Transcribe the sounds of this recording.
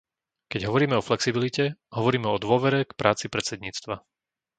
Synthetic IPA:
kɛɟɦɔʋɔɾiːmɛɔflɛksibilicɛɦɔʋɔɾiːmɛɔd̪ʊɔʋɛɾɛkpɾʔaːt͡sipɾɛt͡sɛd̪ɲiːt͡st̪ʋa

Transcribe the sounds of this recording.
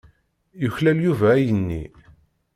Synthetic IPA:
jəçlæljuvæːjənːḭ

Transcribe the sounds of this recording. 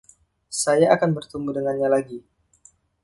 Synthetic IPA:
sajaakanbərt̪əmbudəŋanɲalaɡi

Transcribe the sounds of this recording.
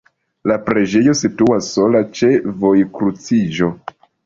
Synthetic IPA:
lapɾe̞d͡ʒe̞jo̞situasːo̞lat͡ʃe̞vo̞jkɾut͡sid͡ʒo̞

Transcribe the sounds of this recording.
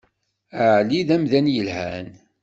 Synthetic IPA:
əʕliðæmðænjəlhæ̰n

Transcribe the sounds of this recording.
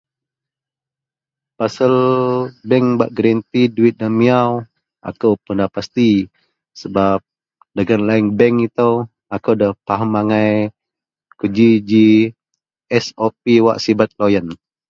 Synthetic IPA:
pasəlbɛŋbaʔɡɾɛnt̪iduɪt̪̚damiaw | ʔa̰kəwpəndapast̪i | səbap̚ | dəɡanlaiŋbɛŋit̪əw | akəwdəhpaɦəmaŋaj | kəd͡ʒid͡ʒi | ɛsopiwa̰ʔsibat̪̚lojən

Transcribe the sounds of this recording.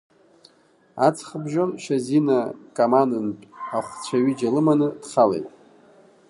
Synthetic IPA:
at͡sʰχəbʒomʃazinakʼamandɨnpʼaχʷt͡sʷʰaɥid͡ʒalɨmanɨd̥χalḛjtʼ

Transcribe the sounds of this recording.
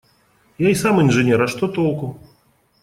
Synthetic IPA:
jaisamɨnʐɨnʲɛɾaʂt̪ɔt̪ɔlˠku

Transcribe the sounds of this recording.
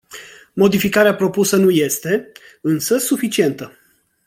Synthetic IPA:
mo̞d̪ifikaɾeapɾo̞pusənuje̞st̪e̞ | ɨnsəsufit͡ʃie̞nt̪ə

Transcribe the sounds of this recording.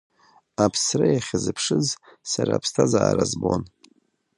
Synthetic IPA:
apʰsrajaχʲɪzɨpʰʂɨzsaɾaːpʰstʰazaːɾazbon

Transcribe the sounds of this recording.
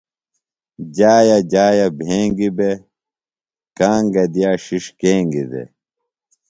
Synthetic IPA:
d͡ʑaːjɐd͡ʑaːjɐbʱeːŋɡibe | kaːŋɡɐd̪ijaːɕiʂkeːŋɡid̪ḛ

